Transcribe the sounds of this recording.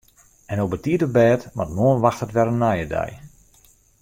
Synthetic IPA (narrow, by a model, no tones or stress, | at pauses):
ɛnobətiətəbɛːtmatmoənʋaxthətʋɛɾənːajədɛ̰j